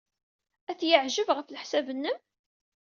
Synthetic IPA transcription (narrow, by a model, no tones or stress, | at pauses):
æθjəʕʒəvʁəθlħsæbənːəm